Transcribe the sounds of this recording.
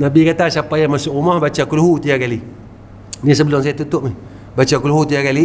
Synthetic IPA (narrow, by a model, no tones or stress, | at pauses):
nabikat̪asapajamasuʔumahbat͡ʃakuluhut̪ijakali | nis̬əbəloŋs̬ajat̪ut̪oʔmi | bat͡ʃakuluhut̪̬ijakali